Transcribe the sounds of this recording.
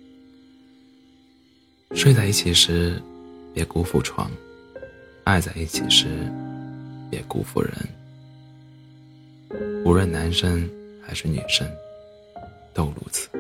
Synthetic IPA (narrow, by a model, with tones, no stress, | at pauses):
ʂwe˥˧ɪt͡sa˥˧ɪi˥˩t͡ɕʰi˨˩ʂɻ̩˧˥pjɛ˧˥ku˥fṵ˥˩ʈ͡ʂʰwɑ̰˧˥ŋ | a˥˧ɪt͡sa˥˧ɪi˥˩t͡ɕʰḭ˨˩ʂɻ̩˧˥ | pjɛ˧˥kṵ˥fṵ˥˩ɻə̰˧˥n | u˧˥ɻə˥˩nna˧˥nʂə˥ŋxa˧˥ɪʂɻ̩˥˩nɛ̰˨˩ʂə˥ŋ | t̪o˥˧ʊlṵ˧˥˩t͡s̩ʰ˧˩˦